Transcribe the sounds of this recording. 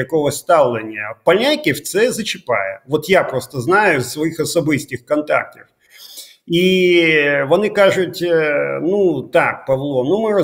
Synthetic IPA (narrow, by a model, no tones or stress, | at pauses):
jɐkɔɦɔsʲt̪ɑwlˠenʲːɐpɐlʲnʲakʲɪwt̪sɛzɐt͡ʃɪpɑ̰jɛʋɔt̪japɾɔst̪ɐznɑjʊzːʋɔjixɔsɔbɪsʲtʲɪxkɔnt̪ɑ̰k̚tʲif | i | ʋɔnɪkɑʒʊtʲnut̪ɑk̚pɐʋlˠɔnumɪrɔ